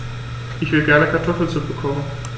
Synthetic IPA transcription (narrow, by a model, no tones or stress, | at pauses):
ʔɪçv̥ɪlɡɛɐnəkʰaɐtʰɔfl̩t͡sʊk̚b̥əkʰɔmən